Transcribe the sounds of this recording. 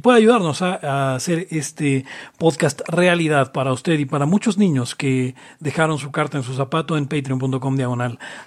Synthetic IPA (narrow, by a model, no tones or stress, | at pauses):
pwe̞ðaʝuðaɾno̞saːse̞ɾe̞st̪epo̞ðkast̪realiðaðpaɾaust̪e̞ðipaɾamut͡ʃo̞znĩɲo̞ske̞ | ðe̞xaɾo̞ns̬ukaɾt̪aens̬us̬apat̪oempejt̪ɾio̞mpunt̪o̞ko̞md̪jaɣ̞o̞nal